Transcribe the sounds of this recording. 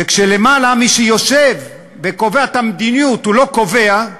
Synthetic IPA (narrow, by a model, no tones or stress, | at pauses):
vekʃelemalamiʃejo̞ʃe̞vː | eko̞veat̪amd̪inijut̪ulo̞ko̞ve̞a